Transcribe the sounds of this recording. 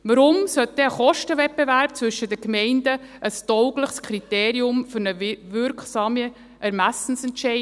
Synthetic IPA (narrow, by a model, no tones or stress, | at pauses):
ʋəɾʊmsœt̚d̥ɛəχɔʃtəvɛp̚b̥evæɾp̚t͡svɵʃːədəkmɛɪndəʔəstɔʊɡləχskʰɾiteːɾiʊmfʏɾnəʋʏɾkχsɑːmə | ʔæɾmæsn̩sɛntʃɛɪ